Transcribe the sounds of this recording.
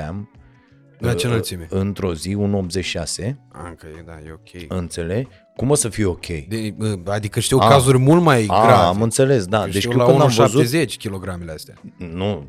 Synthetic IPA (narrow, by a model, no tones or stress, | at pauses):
am | d̪at͡ʃenalsimeɨnt̪ɾo̞ziunop̪̚ze̞iase̞a̰kəed̪ajeokʲʰejɨnt̪se̞le̞ | kumosəfijeo̞kʲʰḛjd̪ead̪ikəʃt̪ewkazurʲmult̪majaɡavamɨnt̪se̞le̞sd̪ad̪et͡ʃʃt̪jukɨnd̪amvəəzutezet͡ʃʲkʲilo̞ɡɾameleast̪eanu